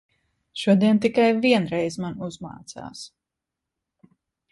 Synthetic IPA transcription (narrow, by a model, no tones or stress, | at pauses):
ʃuɔd̪iɛnt̪ikajviɛnɾɛjzmanuzma̰ːt̪sa̰ːs